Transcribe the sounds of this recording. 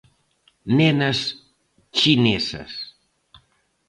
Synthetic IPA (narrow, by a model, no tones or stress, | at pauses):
nɛnəs | t͡ʃinɛsə̰s